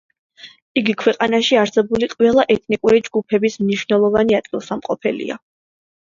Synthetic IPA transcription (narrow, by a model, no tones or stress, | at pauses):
iɡikʰwɛqʼanaʃiaɾsɛbuliqʼvɛlˠaʔɛt̪ʰnikʼuɾid͡ʒɡupʰɛbismniʃwnɛlˠɔvaniad̪̥̚ɡilˠsamqʼɔpʰɛlḭa̰